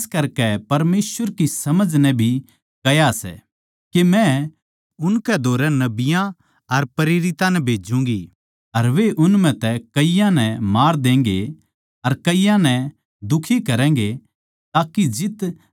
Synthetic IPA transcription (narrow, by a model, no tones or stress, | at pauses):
skɐɾkɛpɐɾmeːsʋəɾkisɐməd͡ʒnɛ̃bʱi | kɐjasɛ̰ | kimɛ̃ | ʊnkɛd̪ʱoːɾɛnɐbɪjã | ɐɾpɐɾeːɾɪt̪ãnɛbʱeːd͡ʒũɡi | ɐɾʋeʔʊnmɛ̃t̪ɛkɐijãnɛ̃maːɾd̪ẽːŋ̆ɡe | ɐɾkɐijãnɛ̃ | d̪ʊkʰikɐɾɛ̃ːŋ̆ɡe | t̪aːkid͡ʒɪt̪